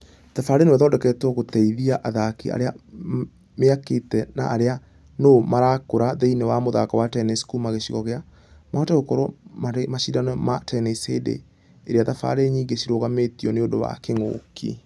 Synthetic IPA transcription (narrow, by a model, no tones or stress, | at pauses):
ðafaɾenewɛðɔːdɛkɛtɔɣotɛiðiaʔaðakḭa̰ɾea | meaketɛna̰ʔːɾea | nomaɾakoɾaðeinewamoðakɔwatɛnɛskumaɣeɕiɣɔɣea | maɔtɛɣokɔɾomaɾemaɕidanɔmatɛnɛsedḛ | eɾeaðafa̰ɾeɲiːŋɡeɕiɾoɣametiɔneodoβa̰keŋo̰kʰḭ